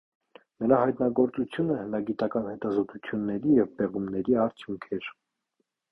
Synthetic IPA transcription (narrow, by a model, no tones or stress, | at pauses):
nəɾɑhɑjt̪nɑɡɔɾt͡sut͡sʰjunəhənɑɡit̪ɑkɑnhɛt̪ɑzɔt̪ut͡sʰjunːɛɾijɛvpɛʁumnɛɾiɑɾt͡sʰjuŋkʰɛɾ